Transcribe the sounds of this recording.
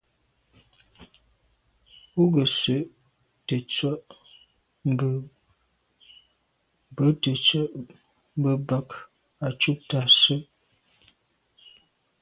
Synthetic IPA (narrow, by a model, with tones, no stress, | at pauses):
u˦ɡə˨sə˨ʔ | tə˨t͡swə˦ʔ | m˦bə˨ | m˨bə˨˦tə˨t͡sə˦ʔ | m̩˦bə˨ba˦k | a˨t͡ʃu˦p̚ta˨sə˦ʔ